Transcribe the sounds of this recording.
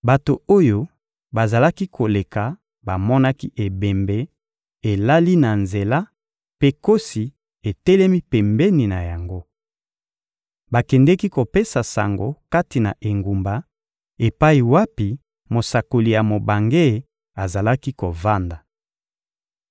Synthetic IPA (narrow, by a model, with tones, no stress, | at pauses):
ba˨to˨o˦jo˦ | ba˨za˨la˦ki˦kʰo˨le˨ka˨ | ba˨mɔ˦na˦ki˦ʔe˨bɛ˨mbe˦ | e˨la˦li˦na˨nze˨la˦ | pe˦ko˦si˨ | e˨tɛ˦lɛ˦mi˦pɛ˨mbɛ˦ni˨na˨ja˨ŋɡo˦ | ba˨kɛ˨ndɛ˦ki˦ko˨pe˦sa˨sa̰˨ŋɡo̰˦ka˦ti˨na̰˨ʔe˨ŋɡu˨mba˨ | e˨pa˦i˨wa˦pi˨ | mo˨sa˨ko˨li˨ja˨mo˨ba˨ŋɡe˦˨ | a˨za˨la˦ki˦ko˨va˦nda˨